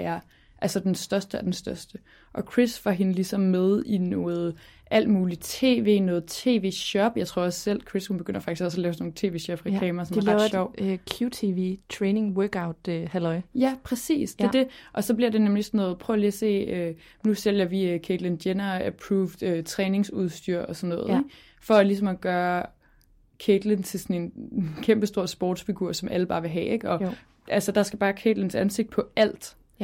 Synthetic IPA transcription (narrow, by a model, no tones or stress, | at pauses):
æɐ | ʔælsɒd̥ensd̥ɶɐsd̥əɒd̥ensd̥ɶɐsd̥ə | ʔɒ̽kʰʁisʋɑ̈ɦenəlisɒ̽mːeð̞ˠinɔːð̞̩ˠ | ʔæl̰d̥muːlit͡sʰe̝̰ːʋe̝̰ːnɔ̽ːð̩ˠt͡sʰe̝̰ːʋe̝̰ːɕɒ̽b̥jɑ̈ɪt͡sʰʁo̝ɐ̰ɒ̽ssel̰kʰʁishunb̥eɡ̥øn̰ɐfɑ̈ɡ̥isɡ̥ɒ̽s̬ɒlɛːʊsno̝ːn̩ˠt͡sʰe̝̰ːʋe̝ːɕɒ̽b̥ʁɛklɛ̰ːmɐsɒ̽mɐɡɑɕɒʊ̰kʰjut͡sʰiʋit͡sʰʁɛːne̝ŋwœːɡ̥äʊd̥hælɒɪjæpʰʁɛsḭːsd̥e̝d̥e̝ʔɒ̽sɒ̽b̥liɐde̝nemlisɒnːɔ̽ːð̞̩ˠpʰʁœʊliːɐse̝̰ːø | nusel̰jɐʋiøkʰed̥lend̥jenɐæpʰʁuːfd̥øt͡sʰʁɛːne̝ŋsuð̞ˠsd̥yɐ̰ɒ̽sɒnːɔ̽ːðˠeɡ̥ | fɒ̽ælis̬ɒ̽mɒɡ̥ɶːɐ | kʰed̥lent͡sʰe̝lsɒne̝nkʰemb̥əsd̥o̝ɐ̰sb̥o̰ːd̥sfiɡ̥uɐ̰sɒ̽mʔæləb̥ɑ̈ːʋe̝ɦɛ̰ːʔe̝ɡ̥ɒ̽ | ʔælsəd̥ɑ̈sɡ̥æb̥ɑ̈ːkʰed̥lensænse̝ɡ̥d̥̚pʰɒ̽æl̰d̥